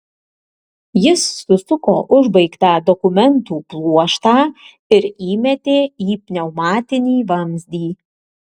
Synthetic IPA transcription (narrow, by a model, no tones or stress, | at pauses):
jɪsːʊsʊkoːʔʊʒbɐɪkt̪ɑːd̪ɔkʊmʲɛnt̪uːplˠuɔʃt̪ɑː | ɪɾiːmʲɛt̪ʲeːiːpʲnʲɛʊmɑːt̪ʲɪnʲiːʋɐmʲzʲd̪ʲiː